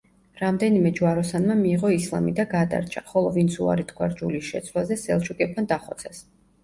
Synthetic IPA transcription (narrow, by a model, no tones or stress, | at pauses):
ɾamd̪ɛnimɛd͡ʒuwaɾɔsanmamiːʁɔislˠa̰mid̪aɡad̪a̰ɾt͡ʃʰaχɔlˠɔvint̪sʰua̰ɾit̪ʰɡʰʼwa̰ɾd͡ʒuliʃɛ̰t̪sʰwazɛsɛlˠt͡ʃʰukʼɛp̚t̪and̪aχɔ̰t̪sʰas